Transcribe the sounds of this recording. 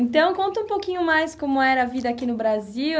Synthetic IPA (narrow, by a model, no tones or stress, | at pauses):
nt̪ɐ̃w̃kõnt̪ɐũpowkĩɲʊmajskõmʊɛɾɐːvid̪ɐaːkinʊbɾaziw